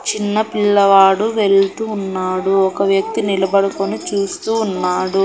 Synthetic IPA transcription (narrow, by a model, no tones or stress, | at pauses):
t͡ʃinːɐpiɭːɐʋaːɽuʋe̞ɭt̪uːnːaːɽuɔkɐʋjɐk̚t̪inilɐbɐɽukonit͡ʃuːst̪uːnːaːɽu